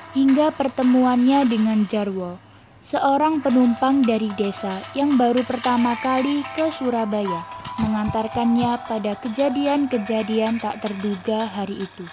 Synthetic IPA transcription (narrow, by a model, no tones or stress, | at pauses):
hiŋɡapərt̪əmuanɲadəŋand͡ʒarwɔ | səʔoɾaŋpənumpaŋdaɾidesajaŋbaɾupərt̪amakalikəsuɾabajaməŋant̪arkanɲapadakəd͡ʒadiankəd͡ʒadiant̪aʔt̪ərduɡaɦaɾiʔːt̪u